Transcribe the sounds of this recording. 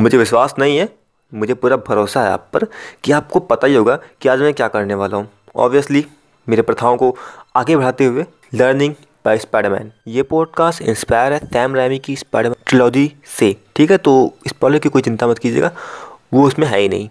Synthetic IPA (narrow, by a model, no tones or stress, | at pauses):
mʊd͡ʒʱeʋɪʃwaːsnɐɦĩɦɛː | mʊd͡ʒʱepuːɾabʱɐɾoːsaɦɛ̰a̰ːpːɐɾkiaːp̚kopɐt̪aiɦoːɡakiaːd͡ʒmɛ̃ːkjaːkɐɾneʋaːlaɦũ | ɔ̰ːbʋijəsli | meːɾepɾɐt̪ʰaːõkoaːɡebɐɽ̤aːt̪eɦʊe | ləːɾnɪ̃ŋɡ | baːɪspaːɖəɾmɛ̰ːnjeːpɔːɖkaːsʈɪ̰̃nspaːɪəɾɦɛt̪ʰɛːmɾɛːmikispaːɖəmʈɾɪlɔːd͡ʒi | seʈʰiːkɦɛt̪oːɪspɾɔːblemkikoːit͡ʃɪ̃nt̪amɐt̪kiːd͡ʒḛːɡaːʋoʊsmẽɦɛ̰ːinɐ̰ɦĩ